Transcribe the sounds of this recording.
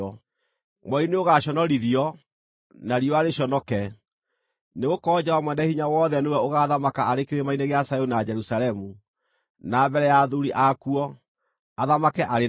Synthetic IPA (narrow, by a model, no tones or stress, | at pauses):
ɔ | mwɔineoɣaɔnɔɾiðiɔ | naɾiɔaɾeɕɔnɔkɛ | neɣokɔd͡ʑawamwɛndahiɲawɔðɛnewɛoɣaːðamakaaɾekeɾemaineɣeasajonad͡ʒɛɾusalɛmu | nabɛɾɛjaðuɾiʔakuɔ | aðamakɛʔaɾe